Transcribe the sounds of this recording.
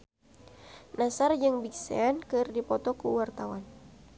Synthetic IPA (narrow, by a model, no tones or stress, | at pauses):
nasard͡ʒɨŋbiksḛankɨrdipɔt̪ɔkṵwart̪awan